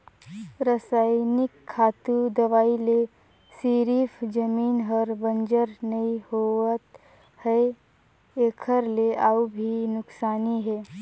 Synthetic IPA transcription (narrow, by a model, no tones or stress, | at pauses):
ɾəsaːɪnɪkʰːaːt̪ud̪əʋaːile | siːɾifd͡ʒəmiːnɦəɾbənd͡ʒəɾnɐihoət̪ | hɛ | eːkʰəɾleʔaːubʱinʊksaːniɦɛː